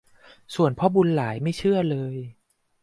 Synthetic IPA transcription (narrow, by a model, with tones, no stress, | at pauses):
su˨˩ənpʰɔ˧˥bu˧nlaː˩˦jma˥˩jt͡ɕʰɯ˥˩ɐlɤː˧j